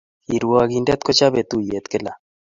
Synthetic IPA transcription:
i˨ɾwaɡi˨ndɛ˦t̪kɔ˦t͡ʃa˦βe˨t̪u˦je˨t̪ke˦la˨

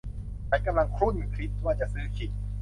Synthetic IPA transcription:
kʰa˨˦˥ka˧mla˧ŋkʰɾu˥˩nkʰɾi˦˥t̪̚waː˧˩t͡ɕa˨˩sɯː˦˥kʰi˨˩t̪̚

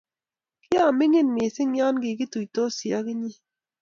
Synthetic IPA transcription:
kɪ˦a˦˨mɪ˦ŋɪ˦˨nmɪ˨sɪ˦ŋja˦nɡɪ˨kɪ˦tu˨jto˦sja˦kɪ˦ɲɪ˦

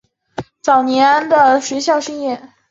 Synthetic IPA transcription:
t͡sɑ˨˩ʊnjɛ˧˥nd̪ə˨ʂwe˧˥ɪɕjɑ˥˧ʊʂi˥˧ŋjɛ˥˩n

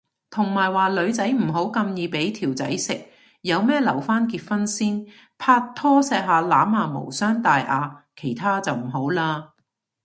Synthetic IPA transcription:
t̪ʰʊ˨˩ŋmaː˨˩jwaː˨˩jlɵ˨˧ɥt͡sɐ˨˥jm̩˨˩ɦo˨˥wkɐ˧mjiː˨˧pe˨˥jt̪ʰiː˨˩wt͡sɐ̰˨˥jsɪ˨k̚ | jɐ˨˧wmɛː˥lɐ˨˩wfaː˥nkiː˧t̚fɐ˥nsiː˥n | pʰaː˧t̪ʰːɔː˥sɛː˧k̚ɦaː˨˧laː˨˥maː˨˧mo̰˨˩wsœː˥ŋt̪aː˨jʔaː˨˧kʰe˨˩jt̪ʰaː˥t͡sɐ˨wm̩˨˩ɦo˨˥wlaː˧

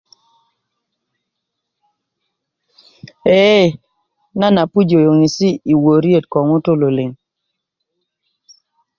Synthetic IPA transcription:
ɛ˦˨ | na˦na˨pu˦d͡ʒo˨jo˨ŋi˨si˦i˨wo˨ɾje˦˨tkɔ˨ŋo˦to˦lo˨lɪ˨ŋ

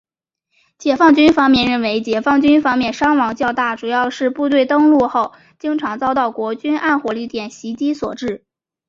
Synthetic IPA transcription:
t͡ɕjɛ˨˩fɑ˥˩ŋt͡ɕy˥nfɑ˥ŋmjɛ˥˧nɻə˥˩nwe˧˥ɪt͡ɕjɛ˨˩fɑ˥˩ŋt͡ɕy˥nfɑ˥ŋmjɛ˥˧nʂɑ˥ŋwɑ˧˥ŋt͡ɕjɑ˥˧ʊt̪a˥˩ʈ͡ʂu˨˩jɑ˥˧ʊʂɻ̩˥˧pu˥˧t̪we˥˧ɪt̪ɤ˥ŋlu˥˧xo˥˩ʊ | t͡ɕi˥ŋʈ͡ʂʰɑ˧˥ŋt͡sɑ˥ʊt̪ɑ˥˩ʊkwɔ˧˥t͡ɕy˥na˥˧nxwɔ˧˥li˥˩t̪jɛ˨˩nɕi˧˥t͡ɕi˥swɔ̰˨˩ʈ͡ʂɻ̩˥˩

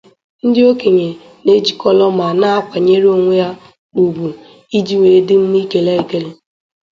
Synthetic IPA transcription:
n̩˦dɪ˦o˦ke˨ɲe˨ | ne˦d͡ʒi˨kɔ˦lɔ˦ma˨na˦a˦kʷa˨ɲe˦ɾi˦o˨ŋʷe˦ja˦ | k͡pu˨ɡ͡bu˨ | i˦d͡ʒi˦ŋʷe˨˦dɪ˦m̩˦mi˦ke˨la˦i˨ke˦le˨˦

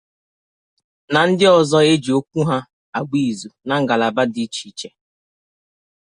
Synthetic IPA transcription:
na˨n̩˦dɪ˦ɔ˨zɔ˦e˦d͡ʒi˨o˦kʷu˦ɦa˦ | a˨ɡ͡bi˦˨zu˨na˨ŋ̩˦ɡa˨la˨ba˦di˦t͡ʃi˨˦t͡ʃe˨

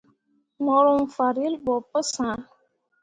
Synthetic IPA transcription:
mɔ˨ɾɔ˨m̩˨fa˨ɾi˦lbɔ˨pə˦sã˨˦

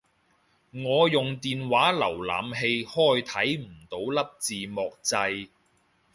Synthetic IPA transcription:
ŋɔː˨˧jʊ˨ŋt̪iː˨nwaː˨˥lɐ˨˩wla̰ː˨mɦe˧jhɔː˥˩jt̪ʰɐ˨˥jm̩˨˩t̪o˨˥wlɐ˥p̚t͡siː˨mɔː˨k̚t͡sɐ˧j

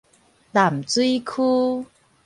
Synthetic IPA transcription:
la˨˩mt͡swi˦kʰu˦

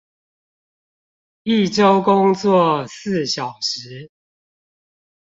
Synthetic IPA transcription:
i˥˨ʈ͡ʂo˦ʊkʊ˦ŋt͡swɔ˥˨sɹ̩˥˨ɕjɑ˨˩ʊʂ̩˨˦

